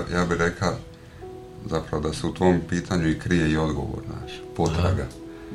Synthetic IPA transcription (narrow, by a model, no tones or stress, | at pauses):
jaːbiɾe̞kla | zapɾaʋo̞d̪aseut̪ʰo̞mpiːt̪ʰaɲuikɾijeio̞d̪ɡo̞̰ʋo̰ɾna̰ːʃpo̞t̪ɾa̰ɡa